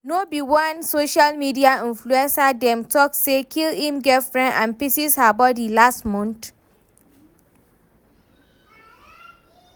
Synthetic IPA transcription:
nobiwãnsoʃalmidiaĩnfluɛ̃nsadɛ̃mtɔksekʰilĩmɡɛfɹɛ̃nãnpisishabaɔdilastmɔ̃nt

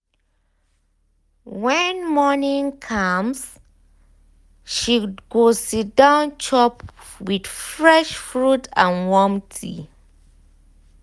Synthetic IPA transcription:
wɛ̃nmɔnĩŋkʰams | ʃiɡosːitdãʊ̃nt͡ʃʰɔpwid̥fɹɛʃfɹutãnwɔmtʰḭ

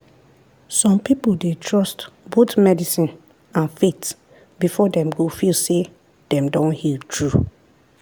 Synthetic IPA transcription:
sɔ̃mpipoldetʰɹɔstbotmɛdisĩn | ãnfet | bifɔdɛ̃mɡofilse | d̥ɛ̃mdɔ̃nhitʰɹu

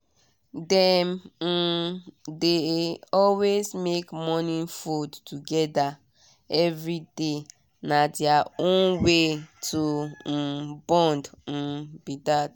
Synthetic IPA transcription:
dɛm̩ | deɔlwesmekmɔnĩfudtuɡɛda | ɛvɹide | nadiaõnwetʰu | bɔ̃nd̩ | bitad

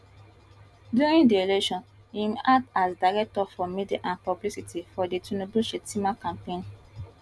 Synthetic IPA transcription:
djuɹĩndielɛʃɔ̃n | ĩmadasdaɹɛk̚tɔfɔmediʔãnpablisitifɔditʰunobuʃetimakãmpẽn

